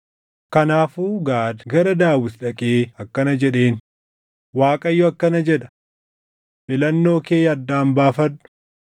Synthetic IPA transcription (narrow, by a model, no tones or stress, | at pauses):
kɐnaːfuːɡaːd̪ɡɐɾɐd̪aːwɪsᶑɐkʼeːɐkːɐnɐd͡ʒɛᶑe̞ːn | waːkʼɐjːɔɐkːɐnɐd͡ʒɛᶑɐ̥ | bɪlɐnːo̞ːkeːjɐd̪ːaːmbaːfɐnːʊ̥